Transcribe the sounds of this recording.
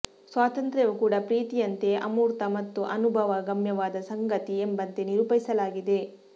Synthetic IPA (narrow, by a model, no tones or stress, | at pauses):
sʋaːt̪ɐnt̪ɾɐʋukuːɽɐpɾiːt̪ijɐnt̪e̞ʔɐ̰muːɾt̪ɐmɐt̪ːuʔɐnubʱɐʋɐɡɐmjɐʋaːd̪ɐsɐŋɡɐt̪iembɐnt̪e̞niɾupɐjisɐlaːɡid̪e̞